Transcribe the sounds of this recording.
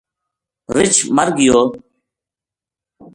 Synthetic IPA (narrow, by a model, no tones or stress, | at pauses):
ɾɪt͡ʃʰməɾɡɪjoː